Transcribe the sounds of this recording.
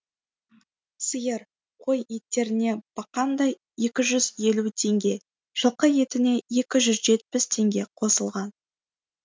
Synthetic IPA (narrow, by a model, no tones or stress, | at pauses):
səjəɾ | qʰo̞jit̪ːe̞ɾɪne̞b̥ɑqɑnd̪ɑj | e̞kʲɪʒʏzje̞lut̪ʰe̞ŋɡʲe̞ | ʒ̥əlˠqəje̞t̪ɪne̞e̞kʲɪʒʏzʒe̞t̪̚pɪst̪ʰe̞ŋɡʲe̞qʰo̞səlˠʁɑn